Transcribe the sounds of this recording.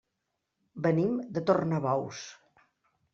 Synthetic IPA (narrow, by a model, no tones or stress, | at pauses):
bənimd̪ət̪ornəβɔws